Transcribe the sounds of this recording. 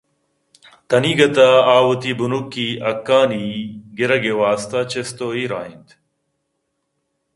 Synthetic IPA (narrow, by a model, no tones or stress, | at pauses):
t̪ɐniːɡɐt̪aaːwut̪ibunukːiːɐkːaːniːɡiɾɐɡewaːst̪ɐt͡ɕest̪oːiːɾa̰ːind̪